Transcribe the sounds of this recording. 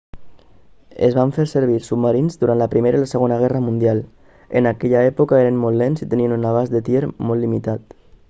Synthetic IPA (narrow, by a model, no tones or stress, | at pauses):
ə̰zβaɱfeɾsəɾβ̞iɾsubmaɾinzðuɾanləpɾimeɾailəsəɣonəɣ̞ɛrəmund̪ialˠ | ə̰nakɛʎaɛpukaeɾənmɔlˠːlensit̪əniənunaβ̞azðət̪jeɾmɔlːimit̪at̪